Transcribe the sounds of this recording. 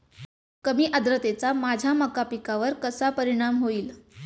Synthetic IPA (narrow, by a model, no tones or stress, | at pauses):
kəmiːʔəd̪ɾət̪et͡samad͡ʑʱaməkapikaʋəɾkəsapəɾiɽ̃amɦoiːl